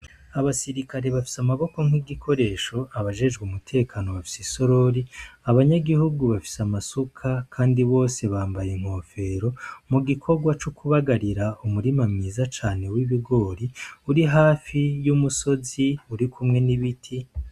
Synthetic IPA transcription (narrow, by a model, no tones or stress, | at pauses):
aβasiɾikaɾe̞βafi̥samaβo̞ko̞m̥hwiɡikʰo̞ɾe̞ːʃo̞aβaʒe̞ʒɡumutʰe̞ːkʰaːno̞βafi̥siso̞ɾo̞ɾiaβaɲaɡihuɡuβafi̥samasukʰakʰaːndiβo̞ːse̞βaːmbajeŋ̥ho̞ːfe̞ɾo̞muɡikʰo̞ɡwat͡ʃukuβaɡaɾiɾaumuɾimamŋiːzat͡ʃaːne̞wiβiɡo̞ːɾiuɾiɦaːfijumuso̞ziuɾikumŋe̞niβitʰi